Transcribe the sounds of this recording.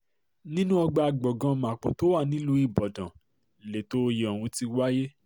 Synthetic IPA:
nĩ˦nũ˦ɔ˧ɡ͡ba˧a˧ɡ͡bɔ˨ɡã˧mã˨k͡po̰˨to˦wa˦˨nĩ˦lu˦i˦˨bɔ˨dã˨ | le˨to˦˧je˨ɔ˨wũ˨˧˦ti˧wa˦je˦

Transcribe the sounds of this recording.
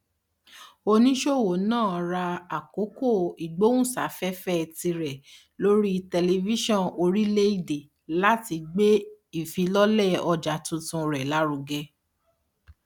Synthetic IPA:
o˧nĩ˦ʃo˦˨wo˨nãː˦˨˧ɾa˧a˨ko˨˦ko˦˨i˨ɡ͡bo˦wũ˦˨sa̰˨˦fɛ˦fɛ˦˨ti˧ɾɛ˨ | lo˦ɾi˦˧tɛ˧le˧vi˦ʃɔ̃˦˨no˧ɾi˦le˦i˦˨de˨ | la˦ti˧ɡ͡be˦i˨fi˨˧lɔ˦lɛ˦˨ɔ˧d͡ʒa˨tũ˧˦tũ˧ɾɛ˨la˨˦ɾu˧ɡɛ˧˦

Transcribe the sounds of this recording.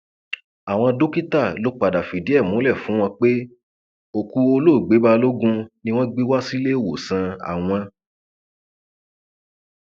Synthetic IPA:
a˨w̃ɔ̃˧do˦ki˦ta˦˨lo˨˦k͡pa˨da˨fi˨di˨˦ɛ˦˨mũ˨˦lɛ˦˨fũ˨˦w̃ɔ̃˧k͡pe˦ | o˨ku˧o˧lo˦˨ɡ͡be˨˦ba˦lo˦ɡũ˦nĩ˧w̃ɔ̃˦ɡ͡bi˦wa˦si˦le˦˨wo˨sã˧a̰˨w̃ɔ̃˧

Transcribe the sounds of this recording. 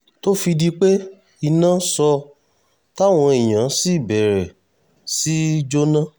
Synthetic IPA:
to˦fi˧di˧k͡pe˦ | i˧nã˦sɔ˧ | ta˦˨w̃ɔ̃˧e˨j̃ã˨˦si˦˨bɛ˨ɾɛ˨ | si˦d͡ʒo˦nã˦

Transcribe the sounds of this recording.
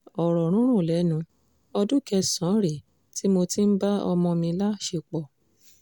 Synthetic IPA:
ɔ˨ɾɔ˨ɾ̃ũ˦ɾ̃ũ˦˨lɛ˨˦nũ˧˦ | ɔ˧du˦kɛ˧sɔ̃˨˦ɾe˨ | ti˦mo˧ti˦n̩˦ba˦ɔ̰˧mɔ̃˧mĩ˧la˦ʃe˧˨k͡pɔ˨

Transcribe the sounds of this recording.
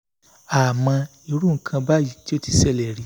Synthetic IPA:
a˨mã˧ | i˧ɾu˦ŋ̩˨kʰã˧ba˦ji˨ti˦o˦ti˧sɛ˦˨lɛ˨ɾi˨˦

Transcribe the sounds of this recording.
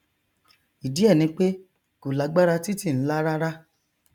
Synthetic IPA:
i˨di˨˦ɛ˦˨nĩ˧˦k͡pe˦ | ku˨la˨˦ɡ͡ba˦ɾa˧ti˦ti˦˨n̩˦la˦ɾa˦ɾa˦

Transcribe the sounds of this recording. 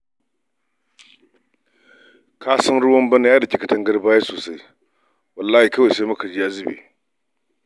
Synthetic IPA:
kʰa˦sɐ˦ŋɾu˦wɐ˦mbɐ˦n˦a˦da˨kʲi˨kɐ˨tɐ˦ŋɡɐ˦ɾbaː˦ja˦soː˨sa˦j | wɐ˨lːaː˦hi˨kɐ˦wa˨sa˦mɐ˦kʰɐ˨d͡ʒi˦ja˦zi˦bḭ˨

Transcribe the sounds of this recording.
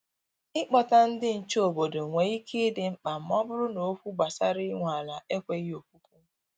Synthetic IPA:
ɪ˦k͡pɔ˨ta˦n̩˦dɪ˦n̩˨t͡ʃo˨bo˨do˨ŋʷe˨i˦kʰi˦dɪ˨m̩˦k͡pa˨m̩˨mɔ˦bʊ˦ɾʊ˦no˨˦fu˦ɡ͡ba˨sa˦ɾɪ˦ŋʷ˨a˨la˨ʔe˦kʷe˦o˨k̚u˦k̚ʷu˦

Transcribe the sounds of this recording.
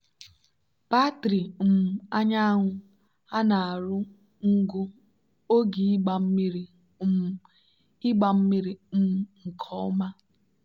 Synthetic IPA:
pa˦tɾi˨m̩˨a˦ɲa˦a˦ɦʊ˦ | a˦na˨a˨ɾʊ˦ | ŋ̩˦ɡu˦ | o˦ɡi˨˦ɡ͡ba˨m̩˦mi˦ɾi˦˨ | ɪ˦ɡ͡ba˨m̩˦mi˦ɾi˨m̩˦ŋ̩˨kʰɔ˦ʊ̰˦ma˦

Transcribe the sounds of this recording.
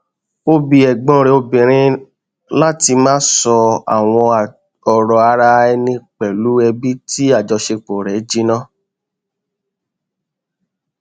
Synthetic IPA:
o˧bi˨ɛ˨ɡ͡bɔ̃˨˦ɾe˧o˧bĩ˨ɾ̃ĩ˦ | la˦ti˧mãː˦sɔ˧a̰˨w̃ɔ̃˧˨ | ɔ˨ɾɔ˧a˧ɾa˧ɛ˧nĩ˧k͡pɛ˨lu˨˦ɛ˧bi˦ti˦a˦˨d͡ʒɔ˧ʃe˧k͡po˨ɾɛ˨˦d͡ʒi˦nã˦

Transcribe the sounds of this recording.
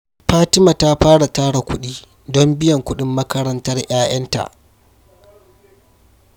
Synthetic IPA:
ɸaː˦tɪ˦ma˨ta˦ɸaː˦ɽa˨taː˦ɽa˨kʷʊ˦ɗiː˦ | dɔ˦mbɪ˦jɐ˨ŋkʷʊ˦ɗɪ˦mːɐ˦kɐ˦ɾɐ˦ntɐ˦rj̰aː˦jʔɐ˦nta̰˨ʔ

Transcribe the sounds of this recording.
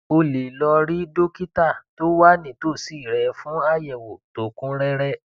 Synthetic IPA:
o˧le˨lɔ˧ɾi˦do˦ki˦ta˦˨to˦wa˦nĩ˦˨to˦˨si˦˨ɾɛ˨˦fũ˦a˦jɛ˨wo˨to˨kũ˦ɾɛ˦ɾɛ˦

